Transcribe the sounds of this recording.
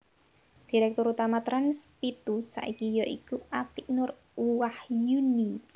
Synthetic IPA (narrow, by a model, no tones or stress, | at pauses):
d̪̥iɾɛk̚t̪ʊɾut̪amat̪ɾanspit̪usa̰ʔikijɔʔikuʔat̪iʔnʊr | uwahjuni